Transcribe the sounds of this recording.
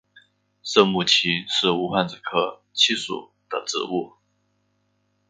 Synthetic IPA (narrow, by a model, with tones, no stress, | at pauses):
ʂɤ˥˧mu˥˩t͡ɕʰi˧˥ʂɻ̩˥˩u˧˥xwa˥˩nt͡s̩˨˩kʰɤ˥˩t͡ɕʰi˥˧ʂṵ˨˩ | d̪̥ə˦ʈ͡ʂɻ̩̰˨˩˦u˥˩